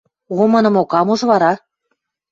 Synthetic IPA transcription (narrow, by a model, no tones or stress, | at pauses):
βomɤnɤ̆mokɑmuʒβɑɾɑ